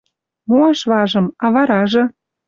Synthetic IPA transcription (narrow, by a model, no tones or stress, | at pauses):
moɑʃβɑʒɤ̆mɑβɑɾɑʒɤ̆